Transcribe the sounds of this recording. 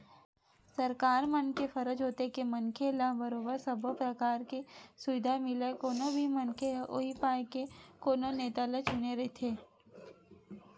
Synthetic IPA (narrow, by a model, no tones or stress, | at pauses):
sɐɾkaːɾmənkefɐɾəd͡ʒɦoːt̪ekemɐnkʰelabəɾoːbəɾsɐbʱopɾəkaːɾkesʊʋɪd̪ʱamɪlekoːnobʱimɐnkʰeoɦipaːekekoːnoneːt̪alɐt͡ʃʊneɾɐet̪ʰeː